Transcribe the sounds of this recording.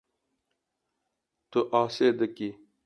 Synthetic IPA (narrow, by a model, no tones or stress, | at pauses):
t̪uʔaːseːd̪ɐki